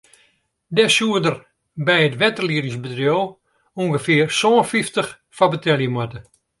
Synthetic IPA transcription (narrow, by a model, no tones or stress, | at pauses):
dɛsuədər | bɛjətʋɛtərliəɾɪŋsbətrjoː | uŋɡəfɪərsoːnfiftəx | fabətʰɛljəmwɛtə